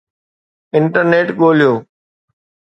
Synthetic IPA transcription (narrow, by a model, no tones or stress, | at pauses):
ɪɳʈəɾneːʈɠoːlijoː